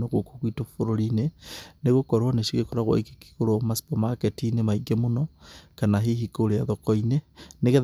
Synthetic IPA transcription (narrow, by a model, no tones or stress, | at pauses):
noɣokokwitofoɾoɾineneɣokɔɾwaneʃiɣekoɾaɣwa̰ikeki̥koɾomasi̥pomaketinemaiɡemonɔkanaɦiɦikoɾeaðokɔineneɣeð